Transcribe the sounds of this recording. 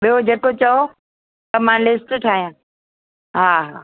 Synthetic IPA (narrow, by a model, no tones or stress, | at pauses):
ɓijod͡ʑekot͡ɕɐo | t̪ɐmãːlɪsʈʈʰaːɦijãː | ɦaːɦaː